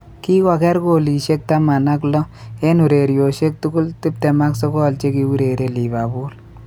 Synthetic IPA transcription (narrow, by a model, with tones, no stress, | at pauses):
ki˦wa˨kɛ˦ɾko˨li˨ʃe˦k̚ta˦ma˨na˦k̬lɔ˦e˦nu˨ɾe˨ɾjo˨ʃe˦k̚tʊ˦kʊ˦ltɪ˦p̚tɛ˨ma˦ksɔ˦kɔ˦˨lt͡ʃe˦ki˦u˦ɾe˨ɾe˨li˨ba˨bu˦l